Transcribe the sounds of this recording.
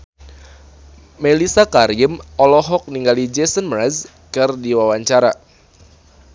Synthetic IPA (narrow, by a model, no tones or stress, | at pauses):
melisakaɾiɪmɔlɔɦɔk̚niŋɡalid͡ʒɛsənmɾɛz | kɨrdiwawaɲt͡ʃaɾa